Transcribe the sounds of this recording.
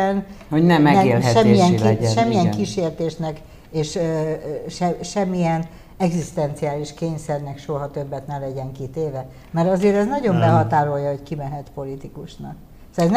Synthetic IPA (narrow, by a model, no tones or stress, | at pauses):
ɛnhoɟnɛmːɛelʃɛmːiɛŋiʃɛmːijɛŋkiʃeːrt̪eːʃnɛk | eːʃ | ʃɛʃɛmːijɛn | ɛɡzist̪ɛnt̪sijaːliʃkeːɲsɛrnɛkʃoɦɒt̪øbːɛt̪nɛlɛɟɛŋkit̪eːvɛ | mɛɾɒzeːɾɛznɒɟo̞mbɛɦɒt̪aːɾo̞ljɒhockimɛɦɛt̪po̞lit̪ikuʃnɒk | soɛzn